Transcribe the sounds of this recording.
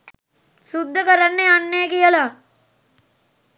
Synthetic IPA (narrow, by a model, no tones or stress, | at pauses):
sud̪ʱːəkɐɾɐnːeɐnːejkijɐla